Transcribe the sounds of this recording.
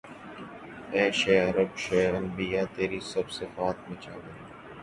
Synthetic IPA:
ɛːʃeːɐɾəbʃeːɾɐmbijaːt̪eːɾiːsɐbsɪfaːt̪̚mẽt͡ʃaːbəɾi

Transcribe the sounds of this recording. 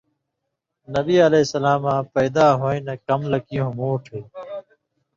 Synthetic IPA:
nɐbiːɐleːsɐlaːmãːpɐjd̪aːɦoĩnɐkɐmlɐkijõmoːʈʰeː

